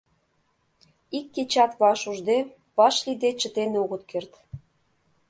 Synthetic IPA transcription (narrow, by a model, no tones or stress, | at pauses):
ikːet͡ɕɑt̪βɑʃuʒd̪e | βɑʃlid̪et͡ɕə̆t̪eneoɣə̆t̪kert̪